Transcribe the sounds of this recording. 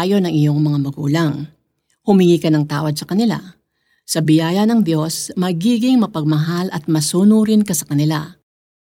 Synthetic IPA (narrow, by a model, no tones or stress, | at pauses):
jo̞nɐŋʔɪjo̞ŋmɐŋamɐɡṵːlɐŋ | hʊmɪŋiːkɐnɐŋt̪aːwɐd̪̚sɐkɐnɪla̰ | sɐbɪjaːjɐnɐŋd̪jo̞smɐɡiːɡɪŋmɐpɐɡ̚mɐɦalʔɐt̪̚mɐsuːnuɾɪnkasɐkɐnɪla